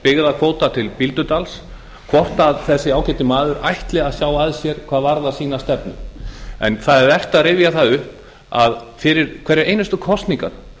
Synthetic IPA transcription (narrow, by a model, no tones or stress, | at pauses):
pɪɣðakʰvoːwt̪at̪ʰɪlpilt̪ʏt̪als | kʰvɔht̪aðθɛsːɪaːwcɛt̪ɪmaːðʏɾʔajht̪lɛɣaðsjaːwaðsjɛɾ̥kʰvaːðvaɾðasiːnast̪ɛpnʏ̰mɛ̰nθaðɛɾvɛr̥t̪aðrɪːvjaθaʏhp | aðfɪɾɪɾkʰvɛɾɪɾeːjnʏst̪ʏkʰɔst̪niŋka̰n